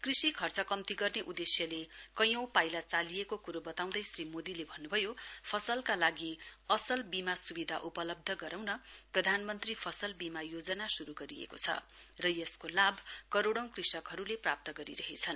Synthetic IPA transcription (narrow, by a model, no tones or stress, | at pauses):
krisikʰʌrt͡sʌkʌmt̪iɡʌrneʔud̪esjʌlekʌjʌ̃w̃pajlat͡salijekokuɾobʌt̪aw̃d̪ʌjsrimod̪ilebʱʌnːubʱʌjopʰʌsʌlkalaɡiʌsʌlbimasubid̪ʱaʔupʌlʌb̚d̪ʱʌɡʌɾawnʌprʌd̪ʱanmʌnt̪ripʰʌsʌlbimajod͡zʌnasuɾuɡʌɾijḛkot͡sʰʌ̰rʌjʌskolabʱkʌɾoɽʌw̃krisʌkɦʌɾuleprap̚t̪ʌɡʌɾḭɾʌɦet͡sʰʌn